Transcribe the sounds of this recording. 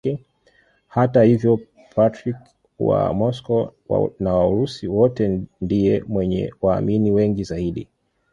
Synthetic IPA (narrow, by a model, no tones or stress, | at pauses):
ɛ | hatahivjɔ | pʰatɾik | wa̰mɔskɔ̰nawauɾusiwɔtɛndijɛmwɛɲɛ̰waːminiwɛŋɡizaiɗḭ